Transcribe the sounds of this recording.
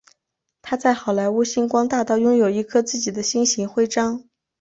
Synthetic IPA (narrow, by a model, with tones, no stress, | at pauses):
t̪ʰa˥t͡sa˥˩ɪxɑ˨˩ʊla˧˥ɪu˥˩ɕi˥nkwɑ˥ŋt̪a˥˧t̪ɑ˥˧ʊjʊ˥ŋjo˨˩ʊi˧˥kʰɤ˥t͡sɹ̩˥˩t͡ɕi˨˩d̪ə˦ɕi˥nɕi˧˥ŋxwe˥˧ɪʈ͡ʂɑ˥ŋ